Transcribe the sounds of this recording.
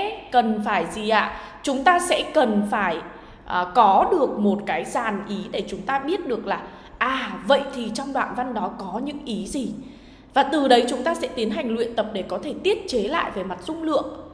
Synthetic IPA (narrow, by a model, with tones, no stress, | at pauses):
kə˨˩nfaː˧˩jzi˨˩ʔa̰ː˧˨ | t͡ɕʊ˨˦ŋ͡mt̪aː˧sɛ̰˧˥kə˨˩nfaː˧˩j | ʔkɔ˨˦ɗɨ˨˩ək̚mo˨˩t̚kaː˨˦jzaː˨˩nʔi˨˦ɗe˧˩t͡ɕʊ˨˦ŋ͡mt̪aː˧ɓi˦˥ət̚ɗɨ˨˩ək̚laː˨˩ | ʔaː˨˩və̰˧˨jt̪ʰi˨˩t͡ɕɔ˧wŋ͡mɗwa̰ː˧˨nva˧nɗɔ˨˦kɔ˨˦ɲɨ̰˧˥ŋʔi˨˦zi˨˩ | vaː˨˩t̪ɨ˨˩ɗə˨˦jt͡ɕʊ˨˦ŋ͡mt̪aː˧sɛ̰˧˥t̪i˨˦ənɦa˨˩jŋ̟lwḭ˧˨ənt̪ə˨˩p̚ɗe˧˩kɔ˨˦t̪ʰe˧˩t̪i˦˥ət̚t͡ɕe˨˦la̰ː˧˨jve˨˩ma˨˩t̚z̥ʊ˧ŋ͡mlɨ̰˧˨əŋ